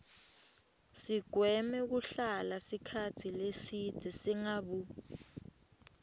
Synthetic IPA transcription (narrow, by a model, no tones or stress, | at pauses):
siɡ̥ʱwɛmɛk̬uɬalasikʰatʰilesid̥ʱɛsiŋaɓu